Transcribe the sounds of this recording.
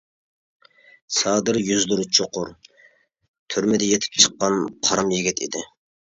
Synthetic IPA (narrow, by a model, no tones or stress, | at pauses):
sɑːd̪ɨɾjyzlʊɾt͡ʃʰoqʰʊɾ | t̪ʰyɾmɪd̪ɛjet̪ʰɪ̥p̚ʲt͡ʃʰə̥qːɑnqʰɑɾɑmjiɡʲɛt̪ʰḭd̪ɪ